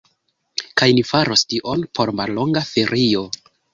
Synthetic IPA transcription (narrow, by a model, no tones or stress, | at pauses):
kajnifaɾostiʔo̞npʰo̞ɾmallo̞ŋɡafe̞ɾio̞